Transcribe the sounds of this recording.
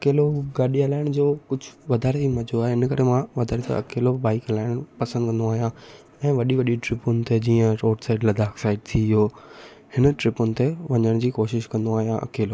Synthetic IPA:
ɐkeːloɡaːɗiɦɐlaːɪɽ̃d͡ʑoːkʊd͡ʑʱʊʋɐd̪ʱaːɾeimɐd͡ʑoaːɦeɪnkɐɾemãʋɐd̪ʱaːɾet̪ɐ̰ɐ̰keːloɓaːɪkɦɐlaːɪɽ̃pɐsə̃nd̪kɐ̃n̆d̪oaːɦijã | ɛ̃ːʋɐɗiʋɐɗiʈɾɪpʊnɪ̆t̪ed͡ʑiːə̃ɾoːʈsaːɪɖlɐd̪ʱaːksaːɪɖ̚t̪ʰiɪɦoː | hɪnʈɾɪpʊnɪ̆t̪eʋɐɲəɽ̃d͡ʑiːkoːʃɪʃkɐ̃nd̪oaːɦijãʔɐ̰keːlo

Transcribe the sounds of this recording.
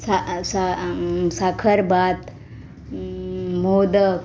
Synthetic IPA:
sasasakʰəɾbat̪ | mod̪ə

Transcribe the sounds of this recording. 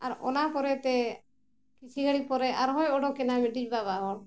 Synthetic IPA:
aɾɔ̰napɔɾɛt̪ɛ | kit͡ʃʰiɡaɽipɔɾɛʔaɾɦɔjɔɖɔkːɛnamɛɖid͡ʒ̚baβaɦɔn

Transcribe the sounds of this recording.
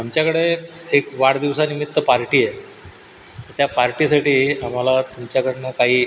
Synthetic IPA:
amt͡ɕjakəɽeekʋaɽd̪iʋsanimit̪ːəpaɾʈiːe | t̪ət̪japaɾʈis̬aʈiːam̤alat̪umt͡ɕjakəɽenəkaɦiː

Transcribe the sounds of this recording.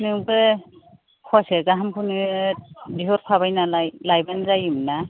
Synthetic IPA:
nɯwbɯ | kʰɔasazaɦampʰuni | diɦɔɾpʰaβajnalajlajbanzajumna

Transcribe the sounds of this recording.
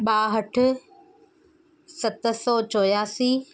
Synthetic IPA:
ɓaːɦɐʈʰʊ̆ | sɐt̪̆sɔːt͡ɕɔːjaːsiː

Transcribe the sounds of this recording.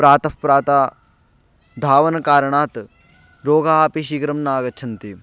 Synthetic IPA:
pɾaːt̪ɐfpɾaːt̪aː | d̪ʱaːʋɐnɐkaːɾɐɳaːt̪ | ɾoːɡʱaːpiʃiːɡɾɐmnaːɡɐt͡ʃʰɐnt̪i

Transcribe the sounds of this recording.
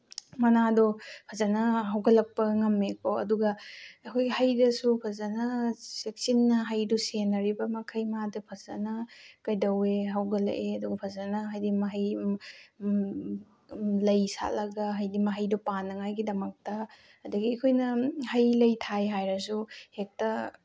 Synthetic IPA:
mɐnadɔpʰɐzɐnɐɦɐwɡɐlɐk̚pɐŋɐmekʰoɐ̰duɡɐɐkʰojɡihɐjdɐsupʰɐzɐnɐsek̚sinːɐɦɐjdɔsenɐɾibɐmɐkʰɐjmadɐpʰɐzɐ̰nɐkɐjdɐweɦɐwɡɐlɐ̰ʔeɐduɡɐpʰɐzɐnɐɦajdimɐɦɐj | lɐjsa̰lɐɡɐɦɐjdimɐɦɐjdupanːɐŋajɡidɐmɐk̚tɐː | dɐɡiɐkʰojnɐhɐjlɐjtʰajɦajɾɐsuhek̚tɐ

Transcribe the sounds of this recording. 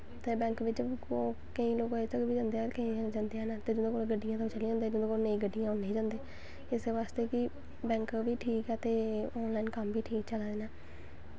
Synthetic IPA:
t̪eːbɛ̃ːŋkʋɪt͡ʃoː | kəĩːloːkːet̪əkbiːd͡ʒãːnd̪eːɛkəĩːd͡ʒãːnd̪eːɛːnat̪eːd͡ʒʊd̪õːkoːlɡəɖːijãːt̪ot͡ʃəliːõnd̪eːd͡ʒd̪õːkoːnəĩːɡəɖijãːʊnːeĩːd͡ʒãːnd̪eː | ɪseːʋaːst̪eːkɪ | bɛ̃ːŋkːʋiːʈʰiːkɛːt̪eːɔːnlaːɪnkəmbiːʈʰiːk̚t͡ʃəlaːd̪eːnɛː

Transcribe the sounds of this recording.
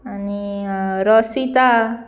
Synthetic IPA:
aniɾɔsit̪a

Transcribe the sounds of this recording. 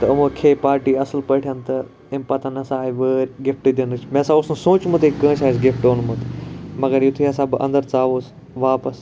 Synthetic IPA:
t̪ɐmũkʰeːpaːɾʈiːɐsəlpəːʈʰjɐnt̪ɐ | empɐt̪ʰanɐsaːiʋəːɾʲɡɪfʈid̪enɨt͡ʃʰmẽːsãːʊsnũsõːt͡ʃumɐt̪ekə̃ːʃaːis̬ɡɪfʈoːnumut̪mɐɡɐɾjut̪ʰiɐs̬ãːbɨʔɐ̰̃nd̪əɾt͡saːʋoːs | ʋaːpɐs

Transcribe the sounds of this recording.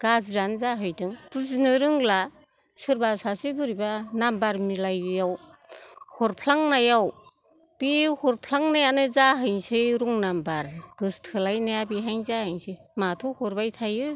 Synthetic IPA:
ɡ̥azɾanzaɦɯjdɯŋpuznɯɾɯŋla | sɯɾbasasɯbɯɾibanambaɾmilajjaw | hɔɾpʰlaŋnajaw | b̥ihɔɾpʰlaŋnajanɯzaɦɯjŋsɯjɾuŋnambaɾɡ̥ɯstʰɯlajnajabiɦajŋzahɯjŋsɯj | matʰuhɔɾbajtʰajɯ

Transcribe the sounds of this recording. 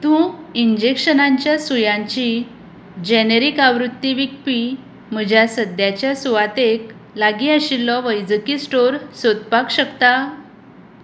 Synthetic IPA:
t̪ũiɲd͡ʑekɕənaɲt͡ɕjasujãɲt͡ɕi | d͡ʑɛneɾikaʋɾut̪ːiʋik̚pi | m̤əd͡ʑʱjasəd̪jat͡ɕjasuʋat̪ek | laɡiaɕilːɔʋəjd͡zəkisʈoɾsod̪̚pakɕəkt̪a

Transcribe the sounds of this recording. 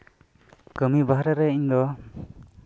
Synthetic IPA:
kəmibaɦaɾaɾɛiɲd̪ɔ

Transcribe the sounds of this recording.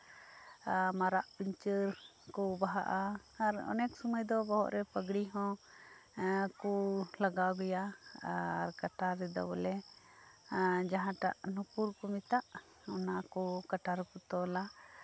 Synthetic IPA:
maɾaʔpiɲt͡ʃəɾ | kɔbaɦaʔaaɾɔ̰nɛk̚suməjd̪ɔbɔɦɔ̰ʔɾɛpəɡɽiɦɔ̃ | kɔlaɡawɡɔjaː | ɾkaʈaɾːɛd̪a̰wɔlɛ | d͡ʒaɦãʈa̰ʔnupuɾkɔmit̪aʔ | ɔnakɔkaʈaɾkɔt̪ɔla

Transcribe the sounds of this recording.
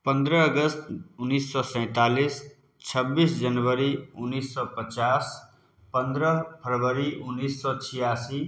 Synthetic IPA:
pə̃nd̪ɾəːɡəst̪ʊnːiːsːɔsɛ̃ːt̪aːliːs | t͡ʃʰəbːiːsd͡ʒənʋəɾiʊnːiːsːɔpət͡ʃaːs | pə̃nd̪ɾəpʰəɾʋəɾiʔʊnːiːsːɔt͡ʃʰijaːsiː

